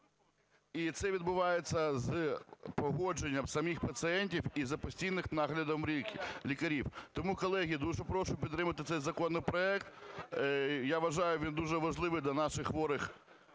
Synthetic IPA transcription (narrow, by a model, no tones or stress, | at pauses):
it̪sɛʋʲid̪bʊʋɑjet͡sʲːɐzpɔɦɔd͡ʒenʲːɐmsɐmʲixpɐt̪sɪɛnʲtʲiwizɐpɔsʲtʲijnɪxnɑɦlʲɐd̪ɔmlʲikʲlʲikɐɾʲiwt̪ɔmukɔlˠɛɦʲid̪uʒɛpɾɔʃʊpʲid̪ɾɪmɐt̪ɪt̪sɛjzɐkɔnːɪjpɾɔɛkt̪ | jaʋɐʒɑjʊʋʲind̪uʒɛʋɐʒlˠɪʋɪd̪lʲɐnɑʃɪxʋɔɾɪx